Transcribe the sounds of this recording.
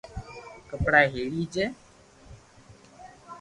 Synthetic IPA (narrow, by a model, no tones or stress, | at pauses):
kəpɽaːɦeːɽiːd͡ʒeː